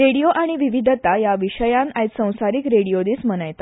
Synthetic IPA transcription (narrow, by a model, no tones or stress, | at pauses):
ɾeɽijoʔaɽ̃iʋiʋid̪ʱət̪ajaʋiɕəjãnajt̪sə̃w̃saɾikɾeɽijod̪iːsm̤ənajt̪a